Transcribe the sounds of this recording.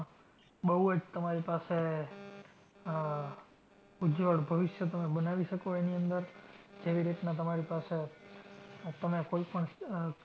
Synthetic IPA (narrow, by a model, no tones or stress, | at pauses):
ɓəɦuəd͡ʒt̪əmaɾipase | ud͡ʒoɽbʱəʋɪʃjət̪əmebənaʋiʃəkoeniənd̪əɾd͡ʒeʋiɾit̪nat̪əmaɾipase | t̪əmekoipəɳ